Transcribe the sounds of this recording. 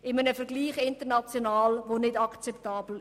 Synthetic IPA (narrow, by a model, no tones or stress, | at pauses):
ɪmənəfəʁɡliːχɪntənɑt͡sjonaːlʋonɪdɑkt͡sɛptɑːbl̩